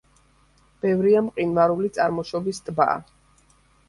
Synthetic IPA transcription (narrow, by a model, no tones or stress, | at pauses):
b̥ɛvɾiamqʼinvaɾulit̪sʼaɾmɔʃɔbist̪ʼba̰ː